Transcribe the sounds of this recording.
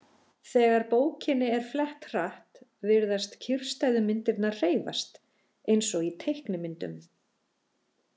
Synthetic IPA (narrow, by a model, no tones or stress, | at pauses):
θɛːɣaɾpoːwcʰɪnːɪɛɾ̥flɛht̪r̥aht̪vɪɾðast̪cʰɪr̥st̪ajðʏmɪnt̪ɪɾt̪naɾr̥eːjva̰st̪ | ejnsɔɣit̪ʰejhknʏmɪnt̪ʏ̰m